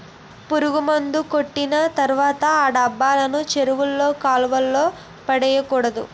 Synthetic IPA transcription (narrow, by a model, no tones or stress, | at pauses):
puɾuɡumɐnd̪uko̞ʈːinɐt̪ɐɾuʋaːt̪ɐaːɖɐbːaːlɐnut͡ʃeɾuʋulːo̞ːkaːlʋɐlːo̞ː | pɐɽɛjɐkuːɽɐd̪ṵ